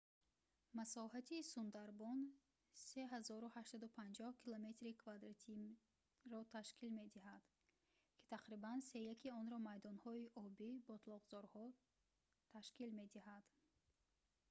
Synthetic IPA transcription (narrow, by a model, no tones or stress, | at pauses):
masɔhat̪ʰisund̪aɾbɔn | se̞ɦazɔɾuhaʃsad̪upʰand͡ʒɔhkʰilome̞t̪ɾikʰvad̪ɾat̪ʰi | ɾɔt̪ʰaʃkilme̞d̪iɦad̪̥ | kʰi̥t̪ʰaqɾibanse̞jakʰiɔnɾɔmajd̪ɔnhɔiʔɔbibɔt̪lɔʁzɔɾhɔ | t̪ʰaʃkilme̞d̪iɦad̪̥